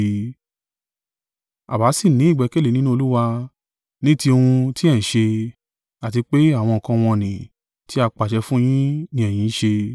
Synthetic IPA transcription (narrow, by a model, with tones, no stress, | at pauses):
a˨ba˨˦si˦˨nĩ˨˦i˦˨ɡ͡bɛ˨˧ke˦le˨nĩ˦nũ˦o˧lu˦wa˧ | nĩ˦ti˧o˧ũ˧ti˦ɛ̃˦˨ʃe˧ | a˨ti˧k͡pe˦a˦˨w̃ɔ̃˧ɔ˨kã˧w̃ɔ̃˧˨nĩ˨ | ti˦a˧k͡pa˨ʃɛ˧fũ˦j̃ĩ˦nĩ˧ɛ˨j̃ĩ˨˦ʃe˧